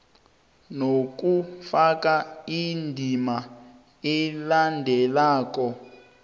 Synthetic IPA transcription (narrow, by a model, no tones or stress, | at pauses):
nokufakaindʱima | ilandʱɛlaːk̬ɔ